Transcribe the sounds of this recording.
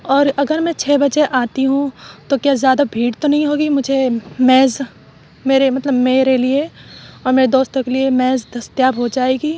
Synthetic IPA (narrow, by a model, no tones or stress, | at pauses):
ɔːɾɐɡəɾmɛ̃t͡ʃʰeːbɐt͡ʃeʔaːt̪iɦũt̪okjaːzjaːd̪abʱiːɽt̪onɐɦĩɦoːɡimʊd͡ʒʱemɛːz | meːɾemɐt̪ləbmeːɾelieɔːɾmeːɾed̪oːst̪õkeliemɛːzd̪ɐst̪jaːbɦod͡ʒaːeːɡiː